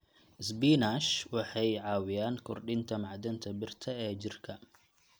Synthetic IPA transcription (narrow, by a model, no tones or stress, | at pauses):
sbinaʃwɑħɑjʕɑːwɪjaːnkʰɔrɖɪnt̪ʰɐmɑʕd̪ɐnt̪ʰɐbɪrt̪ʰɐɛːt͡ʃɪrkʰɐ